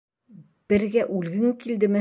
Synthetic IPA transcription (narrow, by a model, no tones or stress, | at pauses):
b̥ɘ̆ɾɡæʔʉlɡɘŋkild̪ɘ̆mɘ